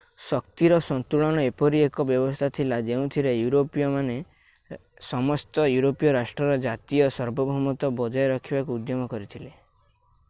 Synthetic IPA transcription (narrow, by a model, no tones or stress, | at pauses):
sɔkt̪iɾɔsɔnt̪uɭɔɽ̃ɔepɔɾiekɔbjɔbɔst̪ʰat̪ʰilad͡ʒeũt̪ʰiɾejuɾopijɔmane | sɔmɔst̪ɔjuɾopijɔɾasʈɾɔɾɔd͡ʒat̪ijɔsɔɾbɔbʱɔmɔt̪ɔbɔd͡ʒɔjɔɾɔkʰibakuːd̪jɔmɔkɔɾit̪ʰile